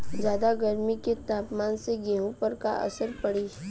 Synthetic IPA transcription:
d͡ʒjaːd̪aɡəɾmiket̪aːpmaːnseɡɛːɦõpəɾka̰ʔɐ̰səɾpɐɽiː

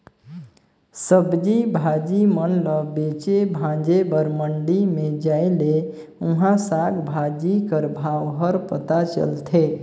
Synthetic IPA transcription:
səbd͡ʒibʱad͡ʒimənləbet͡ʃebʱãd͡ʒebəɾməɳɖimed͡ʒaele | uɦãsaɡbʱad͡ʒikəɾbʱawɦəɾpət̪at͡ʃə̰lt̪ʰe

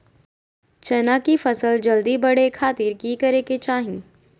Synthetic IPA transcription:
t͡ʃɛnakifɐsəld͡ʒɐld̪ibɐɽekʰaːt̪iːɾkiːkɐɾeket͡ʃaːɦĩː

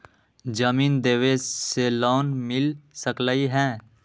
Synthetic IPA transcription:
d͡ʒəmiːnd̪eːʋeseloːnmɪlsəkləiɦɛ̃ː

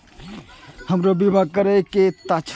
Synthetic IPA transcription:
həmɾobimakəɾɛket̪at͡ʃʰ

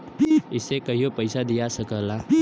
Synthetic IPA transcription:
ɪsːekəɦiopəjsad̪ijasəkəla

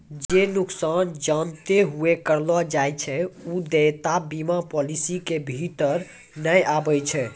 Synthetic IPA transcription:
d͡ʒenuksand͡ʒant̪eɦuekəɾlɔd͡ʒajt͡ʃʰɛud̪ejt̪abimapɔlisikebʱit̪əɾ | nəjabəjt͡ʃʰɛ

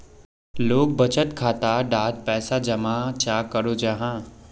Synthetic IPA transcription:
loːk̚bɐt͡ʃət̪kʰaːt̪aɖaːt̪̚pɛːsad͡ʒɐmat͡ʃaːkəɾod͡ʒaɦãː

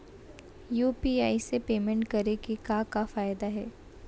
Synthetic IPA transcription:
juːpiaːisepeːmɛ̃ɳʈkɐɾekekãːkafaːjd̪aɦɛː

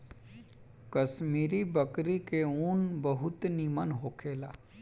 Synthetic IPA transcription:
kɐsmiːɾibəkɾikeuːnbəɦʊt̪niːmənɦoːkʰeːlaː

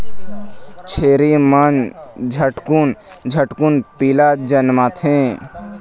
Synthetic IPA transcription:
t͡ʃʰeːɾimənd͡ʒʱəʈkun | d͡ʒʱəʈkunpilad͡ʒənmat̪ʰẽ

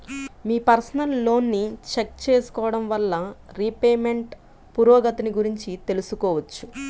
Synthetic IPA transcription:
miːpɐɾsɐnɐlːo̞ːnːit͡ʃek̚t͡ʃe̞ːsu̥kɔːʋɐɽɐmʋɐlːɐɾipeːme̞ɳʈ | puɾɔːɡɐt̪ɐniɡuɾiɲt͡ʃit̪e̞lusukɔːʋɐt͡ʃːu

